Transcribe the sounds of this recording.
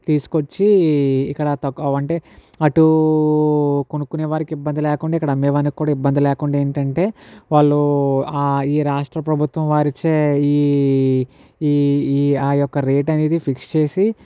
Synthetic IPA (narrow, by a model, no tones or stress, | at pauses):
t̪iːsu̥kot͡ʃːiikːɐɽɐt̪ɐkːʋɐɳʈe̞ː | ɐʈu | konukːuneːʋaːɾikibːɐnd̪ilɛːkuɳɖaːikːɐɽɐmeːʋɐnɐkikːuːɽaːibːɐnd̪ilɛːkuɳɖaeːɳʈɐɳʈe̞ːʋaːɭːuaːiːɾaːʂʈɾɐpɾɐbʱut̪ʋɐmʋaːɾit͡ʃeːiː | aːjɔkːɐɾeːʈɐneːd̪ipʰikst͡ʃe̞ːsi